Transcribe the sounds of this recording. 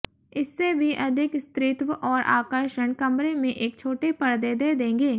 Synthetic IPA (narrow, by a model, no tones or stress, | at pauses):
ɪsːebʱiʔɐd̪ʱɪkst̪ɾɪt̪wəʔɔːɾʔa̰ːkəɾʃəɳkɐmɾemẽʔeːk̚t͡ʃʰoːʈepɐɽd̪ed̪ed̪ẽːŋɡeː